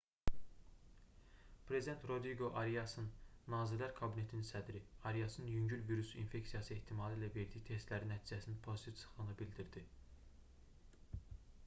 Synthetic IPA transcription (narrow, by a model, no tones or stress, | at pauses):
pʰɾe̞zid̪ent̪ɾo̞d̪ɾiɡo̞ʔɑɾijɑsɯnːɑːziɾlæɾkʰɑbine̞t̪ʰininsæd̪ɾiɑɾijɑsɯnjyɲɟylviɾusḭnfe̞ksijɑsɯeht̪ʰimɑːlˠiːlæve̞ɾd̪içt̪ʰe̞st̪læɾinæt̪ʰiːd͡ʒæsinnpʰo̞zit̪ʰivsʰɯ̥χɯnɯbild̪iɾd̪i